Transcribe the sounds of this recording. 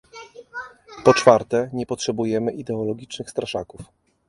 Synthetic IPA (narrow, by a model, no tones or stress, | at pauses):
pɔt͡ʂfaɾt̪ɛɲɛpɔtʂɛbujɛmɘʔid̪ɛɔlɔɡʲit͡ʂnɘxst̪ɾaʂakuf